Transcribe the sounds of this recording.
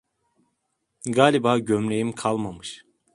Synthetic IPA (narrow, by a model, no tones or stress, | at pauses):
ɡaːlʲibaːɟømlʲejimkʰalˠmamɯʃ